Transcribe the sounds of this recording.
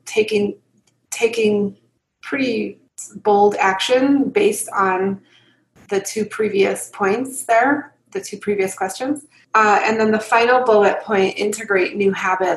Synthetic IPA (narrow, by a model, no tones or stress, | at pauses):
tʰeɪkɪ̃ŋ | tʰeɪkɪ̃ŋ | pʰɹ̥ɪɾi | boʊlˠdækʃɨ̃nbeɪstn̩ | ðɨtʰʉpʰɹ̥iviɨspʰɔ̃ɪ̃ntsðə˞ | ðɨtʰʉpʰɹ̥iviɨskʰw̥ɛst͡ʃɨ̃nz̥ | ɨ̰̃nðə̃nðəfãɪ̃nl̩ˠboʊɨt̚pʰɔ̃ɪ̃ntɪ̃ntɨɡɹeɪtⁿnʉhæbɨt